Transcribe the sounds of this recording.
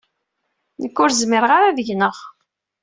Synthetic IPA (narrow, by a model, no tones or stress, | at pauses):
nəkːʊɾzmɪɾʁaɾævəʝnəʁ